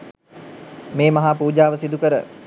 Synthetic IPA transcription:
meːmɐɦaːpuːd͡ʒaːʋəsid̪ukəɾə

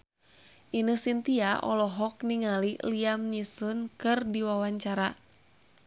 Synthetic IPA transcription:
ʔinɨhsint̪iaʔɔ̰lɔɦɔk̚niŋaliliamɲisunkɨrdiwawaɲt͡ʃaɾa

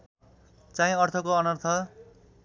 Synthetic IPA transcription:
t͡saĩʌrt̪ʰʌkoːnʌrt̪ʰʌ

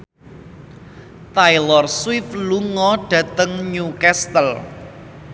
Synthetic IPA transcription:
t̪ajlɔrswɪfluŋɔɖ̥ä̤t̪əŋɲukɛst̪əl

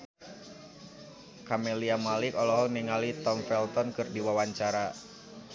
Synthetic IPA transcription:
kameliamalikɔlɔɦɔniŋalit̪ɔmfɛlt̪ɔnkɨrdiwawaɲt͡ʃaɾa

